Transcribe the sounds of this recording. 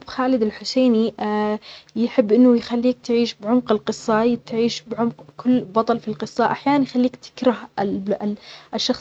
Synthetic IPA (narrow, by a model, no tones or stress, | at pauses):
xaːlɪd̪ɪlħʊseːni | jħɪbːʔɪnːʊjxalːiːk̚t̪ʕiːʃbʕʊmqɪlqɨsˤːɑt̪ʕiːʃbʕʊmqkʰʊlːbɑt̪ˤɑlfilqɨsˤːɑʔaħjaːnanjxalːiːkt̪ʰɪ̥kɾˤɑh | ɪʃːɑxs